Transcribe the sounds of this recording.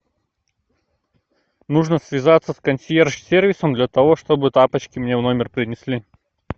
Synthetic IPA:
nuʐnəsʲvʲɪzat̪səskɐnʲsʲjerʂsʲervʲɪsəmd̪lʲɐt̪ɐvoʂt̪obɨt̪apət͡ɕkʲɪmnʲevno̞mʲɪrpɾʲɪnʲɪsʲlʲi

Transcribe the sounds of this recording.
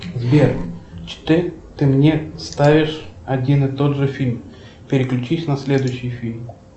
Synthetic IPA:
zbʲert͡ɕɪ̥t̪ɨt̪ɨmnʲest̪avʲɪʂɐdʲinɨt̪o̞d̪ʐɨfʲilʲm | pʲɪɾʲɪklʲʉt͡ɕisʲnɐsʲlʲe̞d̪ʊjɕːɪjfʲilʲm

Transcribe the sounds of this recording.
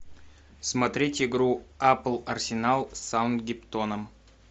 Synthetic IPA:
smɐt̪ɾʲetʲɪɡɾuaplˠɐrsʲɪnalˠsaʊnd̪̚ɡʲɪpt̪onəm

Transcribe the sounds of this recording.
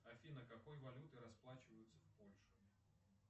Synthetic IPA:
ɐfʲinəkɐkojvɐlʲut̪ɨɾɐsplˠat͡ɕɪvəjʊt̪səfpolʲʂʊ

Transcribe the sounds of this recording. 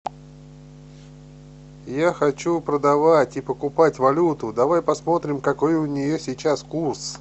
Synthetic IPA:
jaxɐt͡ɕupɾəd̪ɐvatʲɪpəkʊpatʲvɐlʲut̪ʊd̪ɐvajpɐsmo̞t̪ɾʲɪmkɐko̞jʊnʲɪjosʲɪt͡ɕaskurs

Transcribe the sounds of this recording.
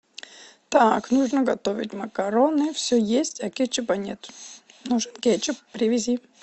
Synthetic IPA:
t̪aknuʐnəɡɐt̪ovʲɪ̰tʲməkɐɾonɨfsʲøjesʲtʲɐkʲet͡ɕɪpɐnʲet̪ | nuʐɨnkʲet͡ɕɪppɾʲɪvʲɪzʲi

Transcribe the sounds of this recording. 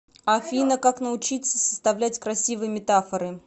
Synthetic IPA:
ɐfʲinəkaknəʊt͡ɕit̪səsə̥st̪ɐvlʲætʲkɾɐsʲivɨjəmʲɪt̪afəɾɨ

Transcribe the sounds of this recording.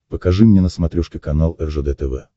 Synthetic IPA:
pəkɐʐɨmnʲɛnəsmɐt̪ɾʲuʂkʲɪkɐnalˠɛrʐəd̪ɛt̪ɛvɛ̰

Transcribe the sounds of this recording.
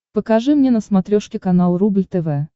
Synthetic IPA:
pəkaʐɨmnʲɛnəsmat̪ɾʲɔʂkʲɪkanalˠɾublʲt̪ɛvɛ

